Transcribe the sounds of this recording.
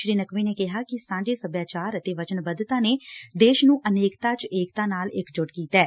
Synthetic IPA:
ʃɾiːnəkmiːneːkɪɦaːkɪsãːɳɖeːsəbjaːt͡ʃaːɾət̪eːʋət͡ʃənbəd̪t̪ãːneːd̪eːʃnũːʔəneːkt̪aːt͡ʃeːkt̪ãːnaːlɪkd͡ʒʊʈkiːt̪ɛː

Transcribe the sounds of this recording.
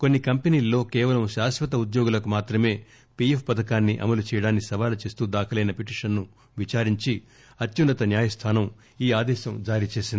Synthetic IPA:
ko̞nːikɐmpeniːlːo̞ːkɛːʋɐlɐmʃaːsʋɐt̪ɐud̪jo̞ːɡulɐkumaːt̪ɾɐme̞ː | pijepʰpɐd̪ɐkaːnːiʔɐ̰mɐlut͡ʃɛːjɐɽaːnːisɐʋaːlut͡ʃe̞ːst̪uːd̪aːkʰɐlɐjnɐpiʈiːʂɐnːu | ʋit͡ʃaːɾiɲt͡ʃi | ɐt̪junːɐt̪ɐnjaːjɐst̪ʰaːnɐm | iːaːd̪ɛːʃɐmd͡ʒaːɾiːt͡ʃe̞ːsind̪i

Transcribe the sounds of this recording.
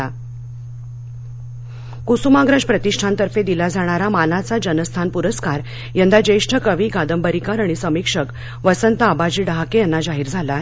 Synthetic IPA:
a | kusumaɡɾəd͡ʑpɾət̪iʂʈʰant̪əɾfed̪ilad͡zʱaɽ̃aɾamanat͡sad͡ʑənəst̪ʰanpuɾəskaɾ | jənd̪ad͡ʑeʂʈʰəkəʋiɡad̪əmbəɾikaɾaɽ̃isəmikʂək | ʋəsənt̪əabad͡ʑiːɖəɦakejanːad͡ʑaɦiːɾd͡zʱala

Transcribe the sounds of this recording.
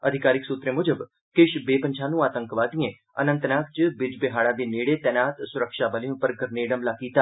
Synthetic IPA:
əd̪ʱɪkaːɾɪksuːt̪ɾeːmʊd͡ʒəb | kɪʃbeːpəɲt͡ʃʰaːnũːaːt̪ə̃ŋkʋaːd̪iẽː | ə̰nə̃nt̪naːk̚t͡ʃəbɪd͡ʒbɪɦaːɽaːd̪eːneːɽeːt̪ɛːnaːt̪sʊɾəkʃaːbəlɪõːpəɾɡəɾneːɖəmlaːkiːt̪aː

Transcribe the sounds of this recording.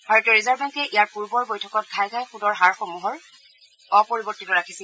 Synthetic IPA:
haɹɔtɔɹizaɹbɛntɛʔijaɹpuɹbɔɹbojtʰɔkɔt̚kʰajkʰajxudɔɹɦaɹxɔmuɦɔɹ | ɔpoɹibɔɹtitɔɹakʰisi

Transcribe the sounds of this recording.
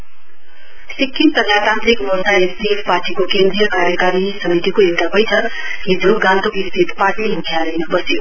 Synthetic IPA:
sikʰːinprʌd͡zat̪ãnt̪rikmʌsaesbieppaʈikokend̪rijʌkaɾjʌkaɾisʌmit̪ikoewt̪apʌjt͡sʰʌ | ɦid͡zoɡãnt̪okist̪ʰit̪paʈiiɦikʰjaɾʌjnʌbʌsijo

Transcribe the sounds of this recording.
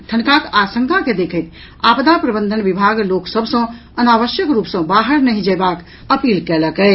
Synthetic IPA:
t̪ʰənkakasəŋkʰaked̪ekʰəɪt̪ | apd̪apɾəbənd̪ʱənbibʱaɡloksəbʱsə̃ | ənaβəʃjəkɾupsə̃baɦəɾnəɦĩd͡ʒəbak | əpilkɛləkɛ

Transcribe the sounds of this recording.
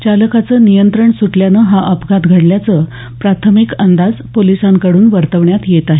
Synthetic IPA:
t͡ɕaləkat͡səːnijənt̪ɾəɳsuʈljanəɦaʔəpɡʱat̪ɡʱəɽljat͡sə | pɾat̪ʰəmikənd̪ad͡zpolisaŋkəɽuːnʋəɾt̪əʋɳjat̪jet̪aɦe

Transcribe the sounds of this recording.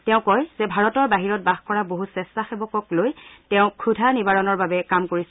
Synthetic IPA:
tɛʊ̃kɔjzɛbʱaɹɔtɔɹbaɦiɹɔt̚baxkɔɹaboɦusɛstaxɛbɔkɔklojtɛʊ̃kʰudʱanibaɹɔnɔɹbabɛkamkoɹis

